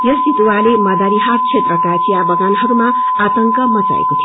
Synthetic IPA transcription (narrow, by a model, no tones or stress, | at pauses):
jʌsit̪uwalemʌd̪aɾiɦaɾt͡sʰet̪rʌkat͡sʰijabʌɡanɦʌɾumaː | t̪ʌŋkʌmʌt͡sa̰ḛkot̪ʰi